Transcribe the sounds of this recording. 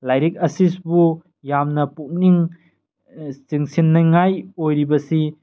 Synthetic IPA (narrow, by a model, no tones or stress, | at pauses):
lajɾik̚ɐsisbu | jamnɐpuk̚niŋ | siŋsinːɐjŋajojɾibɐsi